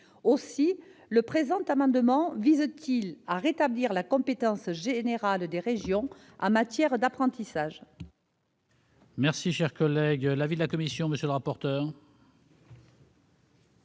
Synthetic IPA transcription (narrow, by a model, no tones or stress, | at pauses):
osiləpχezɑ̃t̪amɑ̃d̪əmɑ̃vizt̪ʰilaʁet̪abliʁlakɔ̃pet̪ɑ̃sʒeneʁald̪eʁeʒjɔ̃ | ɑ̰̃mat̪jɛʁd̪apχɑ̃t̪isaʒ | mɛʁsiʃɛʁkɔlɛɡlavid̪əlakɔmisjɔ̃məsjələʁapɔʁt̪œːʁ